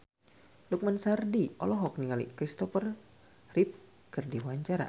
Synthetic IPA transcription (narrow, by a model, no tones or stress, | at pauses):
luk̚mansardiɔ̰lɔɦɔk̚niŋalḭkɾist̪ɔfər | rip̚ | kɨrdiwaɲt͡ʃaɾa̰